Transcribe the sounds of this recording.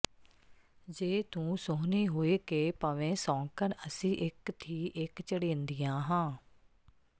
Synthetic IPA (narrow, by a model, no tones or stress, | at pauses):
d͡ʒeːt̪ũːsoɦniːɦoːeːkeːpəʋẽːsɔ̃ːŋkənəsĩːʔɪkt̪ʰiːʔɪkt͡ʃəɽẽːnd̪ɪjãːɦãː